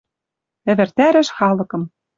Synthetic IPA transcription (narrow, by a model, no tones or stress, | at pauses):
ɘ̆βɘ̆rt̪æɾɘ̆ʃxɑlɤ̆kɤ̆m